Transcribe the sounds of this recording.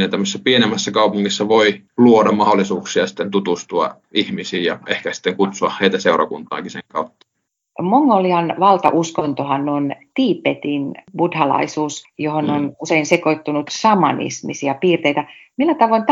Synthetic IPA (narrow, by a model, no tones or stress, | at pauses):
nent̪æmːøsesːæpienemːæsːækɑupuŋːisːɑʋoiluodɑmmɑholːˑisuːksiɑsi̥t̪ːent̪ut̪ust̪uɑ̰ | ihmisiːjɑehkæsi̥t̪ːeŋkut̪suɑhheit̪æseurɑ̰kunt̪ˑɑ̰ːkiseŋkɑut̪ːɑ̥ | moŋɡoliɑnʋɑlt̪ɑ̰ʔuskont̪ohɑnnoint̪iːpet̪inb̥udhɑlɑ̰isuːsjohononuseinsekoit̪ːunut̪sɑmɑ̰nḭsmḭsiɑpiːrt̪eit̪æmilːæt̪ɑʋoint̪